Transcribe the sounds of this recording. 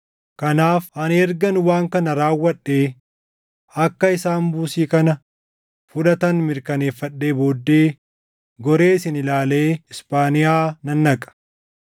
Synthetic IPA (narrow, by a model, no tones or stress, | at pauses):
kɐnaːfɐnɛɾɡɐnwaːŋkɐnɐɾaːwːɐᶑːe̞ː | ɐkːɐɪsaːnbuːsiːkɐnɐ | fʊᶑɐt̪ɐnmɪɾkɐne̞ːfːɐᶑːe̞ːbo̞ːd̪ːe̞ː | ɡɔɾe̞ːsɪnɪlaːle̞ːɪspaːnɪjaːnɐnːɐkʼɐ̥